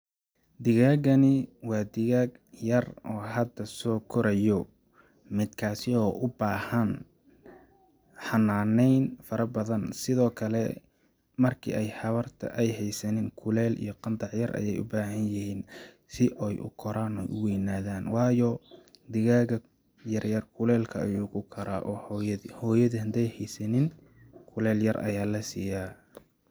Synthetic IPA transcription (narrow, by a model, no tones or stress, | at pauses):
d̪ɪɣaːɣɐnɪwɑːd̪ɪɣaːɡjɐrɔːɦɐd̪ɐsɔːkʰɔɾɐjɔ | mɪd̪kʰaːsɪɔːʔʊbaːhɐn | ħɑnaːnɛjnfɐɾɐbɐðɐnsɪðɔːkʰɐlɛ | mɐrkʰḭːʔɛjħɑβɐrt̪ʰɐ̰ʔɛjɦɛjsɐnɪŋkʰʊlɛːlḭjɞqɑnd̪ɑʕjɐrʔɐ̰jɛjʊ̰baːɦɐnjɪhiːn | sɪʔɔjʔʊ̰kʰɔɾaːnɔjʔʊwɛjnaːðaːnwɑːjɔd̪ɪɣaːɣɐ | jɐrjɐrkʰʊlɛːlkʰɐɐjuːkʰʊkʰɐɾa̰ːʔɔːhɔjɐðhɔːjɐðɐhɐnd̪ɛjhɛjsɐnɪn | kʰʊlɛːljɐrʔɐ̰jaːlɐsiːjaː